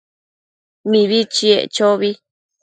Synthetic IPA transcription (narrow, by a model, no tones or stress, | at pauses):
mĩβit͡ʃiḛʔt͡ʃoβi